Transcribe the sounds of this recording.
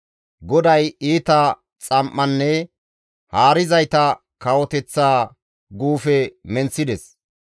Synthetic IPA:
ɡɔd̪ɐjiːt̪ɐ | t͡sʼɐmʔːɐnːɛ | haːɾɪzɐjt̪ɐ | kɐwɔt̪ɛt͡sːaː | ɡuːfɛmɛnt͡sːɪd̪ɛs

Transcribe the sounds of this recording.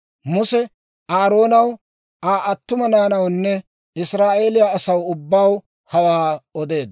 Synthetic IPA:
mʊsɛ | aːɾo̞ːnɐw | ʔaːʔɐt̪ːʊmɐnaːnɐwnːɛ | ɪsɾaːʔe̞ːlɪjaɐsɐwʊbːaw | hɐwaːɔd̪e̞ːd̪

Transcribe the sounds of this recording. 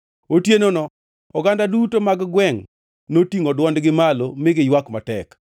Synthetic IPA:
otjenonɔ | ɔɡandadutomaɡɡwɛŋ | notiŋɔdwɔndɡɪmalomɪɡɪjwakmatɛk

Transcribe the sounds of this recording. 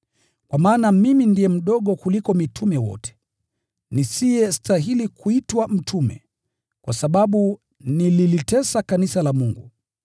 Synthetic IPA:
kwamaːnamimindijɛm̩ɗɔɠɔkulikɔmitʰumɛwɔ̰tɛ̥ | nisijɛstaɦilikuitwam̩tumɛ̰ | kwa̰saɓaɓu | nililitɛsakanisalamuŋɡṵ

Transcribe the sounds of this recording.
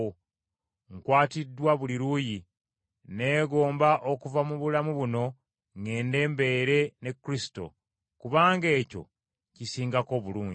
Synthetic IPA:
ŋkwaːtidːwaβuliɾuːji | ne̞ːɡo̞ːmbaʔo̞kuvamuβulamuβuno̞ | ŋɡe̞ːnde̞ːmbe̞ːɾe̞ne̞kːɾisi̥to̞̰ | kuβaːŋɡe̞ːco̞̰ | cisiːŋɡako̞βuluːɲɟi

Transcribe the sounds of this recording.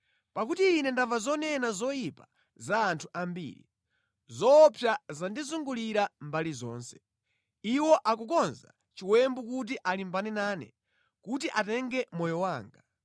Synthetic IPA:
pakutiːnɛndavazɔnɛnazɔjipa | zaːntʰuʔambḭːɾḭ | zɔpʰjazandizuŋɡuliɾambalizɔ̰ːnsɛ̥ | iwɔʔakukɔnza̰ | t͡ʃiwɛmbukut̬iʔalimbanɛnaːnɛ̰ | kutiʔatɛŋɡɛmɔjɔwaːŋɡa

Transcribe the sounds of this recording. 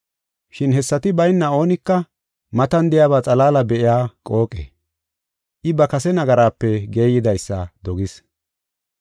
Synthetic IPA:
ʃɪnhɛsːɐt̪ɪbɐjnːɐo̞ːnɪkːɐ | mɐt̪ɐnd̪ɪjaːβaːt͡sʼɐlaːlɐbɛʔɪjaːkʼo̞ːkʼɛ̰ | ʔɪbɐkɐsɛnɐɡɐɾaːpːɛɡe̞ːjɪd̪ɐjsːɐ̰d̪ɔɡɪs

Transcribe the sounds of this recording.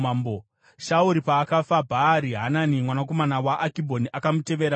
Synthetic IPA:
ambo | ʃauɾipaːkafabʱaɾiɦananimwanako̞manawaʔakibʱo̞niʔakamute̞ʋeɾa

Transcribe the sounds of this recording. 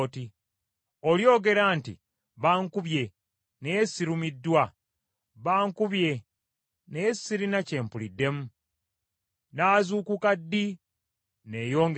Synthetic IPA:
ti | oljo̞ːɡe̞ɾaːntḭ | βaːŋkuβje̞ | nejesːiɾumidːwa | βaːŋkuβje̞ | nejesiɾinace̞ːmpulidːe̞mu | naːzuːkukadːi | ne̞ːjo̞ːŋɡ

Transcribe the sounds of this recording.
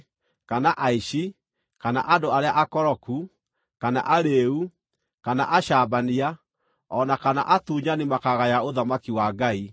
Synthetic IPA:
kanaʔaiʃi | kana̰ʔandoaɾeaʔakɔɾɔku | kana̰ʔaɾeu | kana̰ʔaʃaːbania | ɔnakana̰ʔatuːɲanemakaɣajaoðamakiwaɡai

